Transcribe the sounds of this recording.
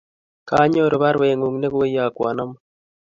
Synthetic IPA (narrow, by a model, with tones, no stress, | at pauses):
kaː˦ɲo˦ɾo˨βa˦ɾwe˨ŋu˨ŋne˦ɣo˦ja˨kwa˨na˦m